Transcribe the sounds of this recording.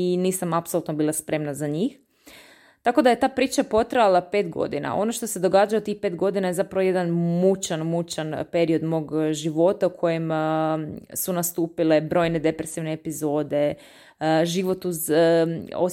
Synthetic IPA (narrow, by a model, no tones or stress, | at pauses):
iniːsamapsolˠut̪nobiːlˠaspɾe̞mnazaɲiːx | t̪ako̞d̪aje̞t̪aːpɾiːt͡ʃapo̞t̪ɾajalape̞ːt̪ɡo̰d̪ina̰ʔo̞̰noʃt̪o̞se̞d̪o̞ɡaːd͡ʒajot̪ixpet̪ɡo̞d̪inaje̞zapɾaʋo̞jed̪anmut͡ʃanmut͡ʃanpe̞ɾio̞d̪mo̞ːɡʒiʋo̞t̪aukʰo̞jem | sunast̪uːpile̞bɾo̞jne̞d̪e̞pɾesiʋneːpizo̞ːd̪e̞ | ʒiːʋo̞t̪uz | o